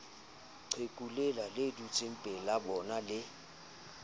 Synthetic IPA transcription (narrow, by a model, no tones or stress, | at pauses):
ǀʰekʼulɛlaledut͡sʼem̩pʼɛlabɔnalɪ